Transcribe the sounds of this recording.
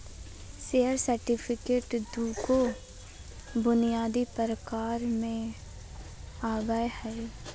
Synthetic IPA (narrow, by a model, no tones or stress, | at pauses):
seəɾsəɾʈɪpʰɪkeːʈd̪uːko | bʊnijaːd̪ipəɾəkaːɾmẽ | aːɡəehɛe